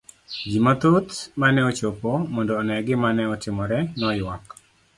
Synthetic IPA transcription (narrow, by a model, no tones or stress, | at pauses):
d͡ʒimat̪ot̪manɛɔt͡ʃopɔmɔndɔːnɛɡɪmanɛɔtɪmɔɾɛnɔjwak